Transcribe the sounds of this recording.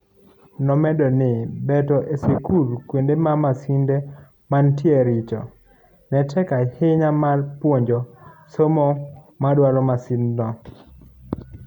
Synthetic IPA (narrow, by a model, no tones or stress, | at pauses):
nɔmɛdɔnɪbɛtɔʔesekulkwendemamasinde | mantɪeɾɪt͡ʃɔ̰ | nɛtʰɛkahɪɲamalpwoɲd͡ʒɔsomɔ | madwaɾɔmasindnɔ